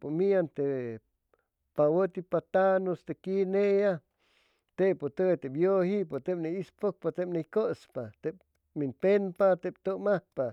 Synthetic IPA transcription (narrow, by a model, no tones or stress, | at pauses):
pomiant̪e | pawət̪ipat̪anost̪ekineja | t̪epot̪ət̪ebjohipot̪ep̚neispok̚pat̪epnekospat̪ep | minpenpat̪ep̚t̪omapa